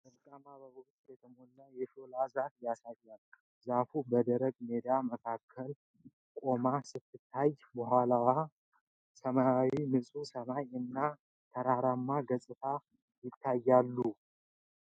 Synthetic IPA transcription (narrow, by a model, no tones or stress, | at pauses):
ʔɨɾkʼanabəwɔʔt̪ʼjɛt̪ʰəmonːajɛʃolazafjasajːal | zafubəd̪əɾəɡme̞d̪aməkʰakʰːəl | kʼo̞masɨt̪ʰːɨt̪ʰːajbəhalawa | səmaawimɨsʼusəmajɨnːa | t̪ʰəɾaɾamːaɡəsʼɨt̪ʰa | jɪt̪ʰːajːalːu